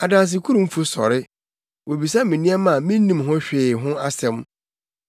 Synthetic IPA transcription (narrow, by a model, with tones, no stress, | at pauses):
a˨dã˨ns̬ɪ˨kʰu˦ɾũ˦m̩˦fu˨sɔ̰˨ɾɪ˦ | wo˨bi˨s̬a˦mĩ˨nĩ˦ɛ˦mã˨mĩ˦n˦nĩ˦mɦʊ̃˦ɕᶣeː˨ɦʊ̃˦a˦sɛ̃˦m